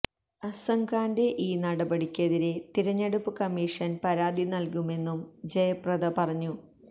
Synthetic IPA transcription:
ɐsɐŋkaːnde̞ʔiːnɐɽɐbɐɽikʲːe̞ðiɾet̪iɾɐɲːɐɽupːɨkɐmːiːʂɐnpɐɾaːd̪inɐlkume̞nːumd͡ʑejɐprɐðɐpɐrɐɲːu

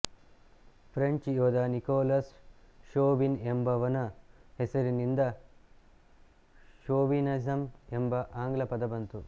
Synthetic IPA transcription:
pʰɾɐɲt͡ʃjoːd̪aːnikoːlɐsʃoːʋinembɐʋɐnɐhesɐɾinind̪ɐ | ʃoːʋinɐsɐmembɐʔaːŋɡlɐpɐd̪ɐbɐnt̪u

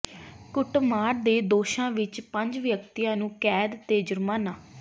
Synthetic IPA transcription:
kʊʈmaːɾd̪eːd̪oːʃãːʋɪt͡ʃpəɲd͡ʒʋjək̚t̪ijãːnũːkɛːd̪t̪eːd͡ʒəɾmaːnaː

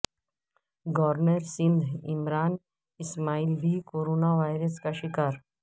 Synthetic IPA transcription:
ɡɔːɾnəɾsɪ̃nd̪ʱɪmɾaːn | ɪsmaːilbʱikoːɾoːnaʋaːɪɾəskaʃɪkaːɾ

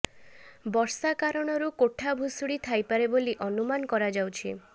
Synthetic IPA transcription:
bɔɾsakaɾɔɽ̃ɔɾukoʈʰabʱusuɽit̪ʰajpaɾeboliʔɔnumankɔɾad͡ʒawt͡ʃʰḭ

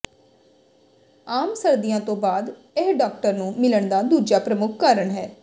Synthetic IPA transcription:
aːmsəɾd̪ijãːt̪õːbaːd̪ | eɦɖaːk̚ʈəɾnũːmɪləɳd̪aːd̪uːd͡ʒaːpɾəmʊkʰkaːɾəɳɦɛː

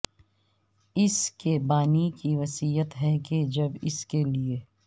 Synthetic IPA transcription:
ɪskebaːnikiʋɐsiːjət̪ɦɛked͡ʒɐbɪ̰skelieː

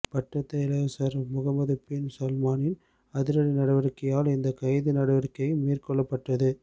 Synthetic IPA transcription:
pɐʈːɐt̪ːɐɪlɐsɐɾmʊɣɐmɐðɯpɪnsɐlmaːnɪn | ɐðɪɾɐɽinɐɽɐʋɐɾkːɐjaːlɪnd̪ɐkɐɪðɯnɐɽɐʋɐɾkːɐjɯmiːrkɔɭːɐpːɐʈːɐðɯ

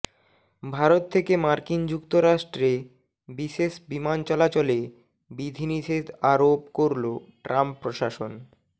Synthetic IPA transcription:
bʱaɾot̪ʰːekemaɾkind͡ʑukt̪oɾaʃʈɾe | biʃeʃbimant͡ɕɔlat͡ɕole | bid̪ʱiniʃet̪aɾopkoɾloʈɾampːɾoʃaʃon

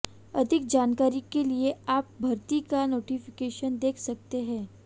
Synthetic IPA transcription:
ɐd̪ʱɪk̚d͡ʒaːnkaːɾikelieaːp̚bʱɐɾt̪ikanoːʈifɪkeːʃənd̪eːkʰsɐk̚t̪eɦɛ̃ː

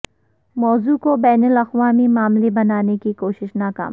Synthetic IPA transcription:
mɔːzukobɛːnəlɐxʋaːmimaːmlebɐnaːnekikoːʃɪʃnaːka̰ːm

